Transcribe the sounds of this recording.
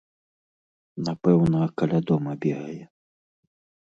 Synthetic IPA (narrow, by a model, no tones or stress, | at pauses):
napɛwnɐkalʲad̪ɔmɐbʲɛɣɐjɛ